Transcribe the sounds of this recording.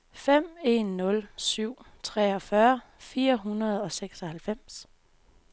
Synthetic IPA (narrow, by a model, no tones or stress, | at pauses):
fem̰e̝nːɔ̽lsyʊ̰t͡sʰʁɛːɒ̽fɶɐfiːɐɦunɐð̞̩ˠɒ̽seɡ̥sɒ̽hælfem̰s